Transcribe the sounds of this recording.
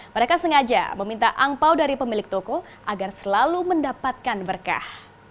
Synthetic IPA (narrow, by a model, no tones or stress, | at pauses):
məɾekasəŋad͡ʒa̰məmint̪a̰ʔampawdaɾipəmilɪk̚t̪oko | ʔaɡarsəlaluməndapat̪̚kanbərka̰h